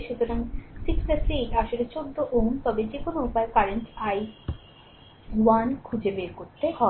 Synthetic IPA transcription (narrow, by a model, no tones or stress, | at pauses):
ʃut̪oɾaŋsiksʈasiʈaʃolet͡ɕod̪ːoʔomt̪ɔbed͡ʑekonoupaekaɾeɳʈaj | wankʰud͡ʑebeɾkoɾt̪ehɔ